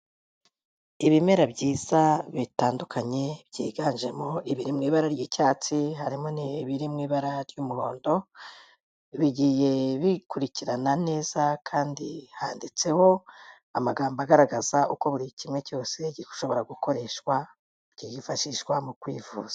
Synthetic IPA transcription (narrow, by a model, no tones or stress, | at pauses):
iβime̞ɾabɟiːz̥aβitaːndukʰaɲe̞bɟḭːɡaːnʒe̞mo̞iβiɾimŋiːβaɾaɾjicaːt͡siɦaɾimoniβiɾimŋiːβaɾaɾɟumuɾo̞ːndo̞ | βiɟije̞βikuɾiciɾanane̞ːz̥akʰaːndihaːndit͡se̞ho̞ | amaɡaːmbaɡaɾaɡaz̥auko̞βuɾicimŋe̞co̞ːse̞ɟiku̥ʃo̞βo̞ɾaɡuko̞ɾe̞ʃkwa | ɟ̥iifaʃiʃkwamukwḭːvṵːz̥ḁ